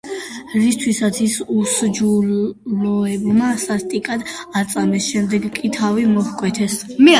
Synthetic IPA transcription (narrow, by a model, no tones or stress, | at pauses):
ɾist̪ʰwisat̪sʰisusd͡ʒulɔɛbmasast̪ʼikʼad̪at̪sʼamɛsʃɛmd̪ɛɡkʼit̪ʰavimɔhkʼwɛt̪ʰɛsmɛ